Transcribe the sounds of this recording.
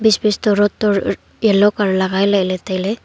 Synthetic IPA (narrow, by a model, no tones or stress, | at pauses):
bisbist̪ɔɾɔt̪ːɔɾ | jɛlɔkaɾlaɡajlɛʔlɛt̪ajlɛ